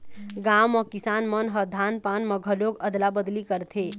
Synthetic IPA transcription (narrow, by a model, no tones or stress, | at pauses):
ɡamɔkisanmənɦəd̪ʱanpanməɡʱəloɡəd̪labəd̪likəɾt̪ʰe